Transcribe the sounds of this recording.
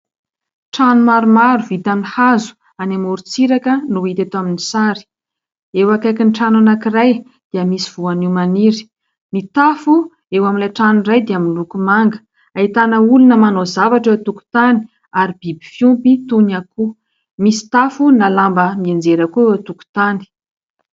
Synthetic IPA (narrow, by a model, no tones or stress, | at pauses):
ʈ͡ʂanumaɾumaɾuvit̪anihazu̥ | anamuɾut͡siɾakənuit̪et̪aminisaɾi̥ | ewakajkinʈ͡ʂananakiraj | d̪̥iəmisiv̥uaniwmaniɾi̥ | nit̪afu | ewamilaʈ͡ʂanirajd̪eaminlukumaŋɡə̥ | ait̪anəulunəmanozavaʈ͡ʂət̪uku̥t̪ani̥ | aɾib̥ibifjumpit̪unaku | misi̥t̪afunalambəmiend͡zeɾakuewat̪uku̥t̪ani̥